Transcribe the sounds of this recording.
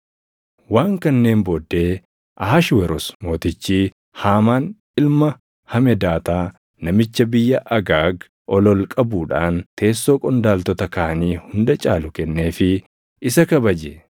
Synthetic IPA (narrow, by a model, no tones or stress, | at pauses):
waːŋkɐnːe̞ːmbɔːd̪ːe̞ː | ʔɐɦɐʃwɛɾɔsmo̞ːt̪ɪt͡ʃːiː | haːmaːn | ɪlmɐ | hɐmɛd̪aːt̪aː | nɐmɪt͡ʃːɐbɪjːɐʔɐɡaːɡ | ʔɔlɔlkʼɐbuːᶑaːnt̪ʰe̞ːsːo̞ːkʼɔnd̪aːlt̪ɔt̪ɐkaːɐniːhʊnd̪ɐt͡ʃʼaːlʊkɛnːe̞ːfɪ | ɪsɐkɐbɐd͡ʒɛ